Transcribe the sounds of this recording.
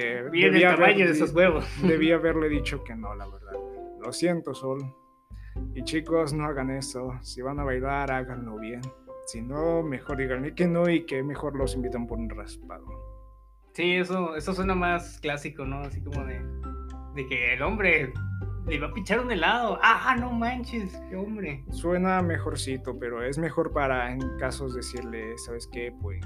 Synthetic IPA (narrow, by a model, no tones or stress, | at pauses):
eβiaaβmaɲoðesozweβosd̪eβiaaβe̞ɾle̞ðit͡ʃo̞ke̞nolaβe̞ɾðaðlosje̞nt̪osol | it͡ʃikoznoaɣane̞sosiβanaβajlaɾaɣanlo̞βje̞nsinome̞xo̞ɾd̪iɣanekenoikeme̞xo̞ɾlo̞simbit̪ampoɾunraspa̰ðo̰ | siesoe̞soswenamasklasikonoasikomoðe | ðekeːlombɾe | liβapit͡ʃaɾond̪elaðoʔaanomãnt͡ʃeskeombɾeswe̞name̞xo̞ɾsit̪ope̞ɾoe̞zme̞xo̞ɾpaɾaeŋkaso̞zðesiɾlesaβeskepwes